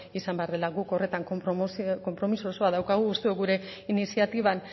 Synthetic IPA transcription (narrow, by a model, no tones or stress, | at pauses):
isambe̞aɾðe̞laɣuko̞re̞t̪aŋk | ko̞mpɾo̞misooso̞aðawkaɣ̞uːst̪eo̞ɣuɾe̞inisiat̪iβ̞an